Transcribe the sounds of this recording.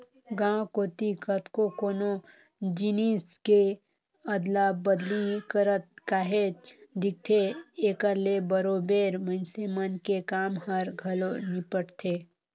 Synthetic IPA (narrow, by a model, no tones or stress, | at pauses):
ɡãkoːt̪ikʰət̪kokoːno | d͡ʒiniske | əd̪labəd̪likəɾət̪̚kaːɦed͡ʒd̪ɪk̚t̪ʰeeːkəɾlebəɾobeːɾmə̃nsemənkekaːmɦəɾɡʱəlonipəɽt̪ʰe